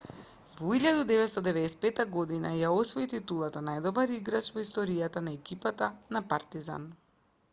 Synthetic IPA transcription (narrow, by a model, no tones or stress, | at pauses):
vɔiʎad̪ud̪ɛvɛt̪st̪ɔd̪ɛvɛd̪ɛsɛ̥pɛt̪aɡɔd̪ina̰jaɔsvɔit̪it̪ulˠat̪anajd̪ɔbaɾiɡɾat͡ʃvɔist̪ɔɾijat̪anaɛkipat̪anapaɾt̪iza̰n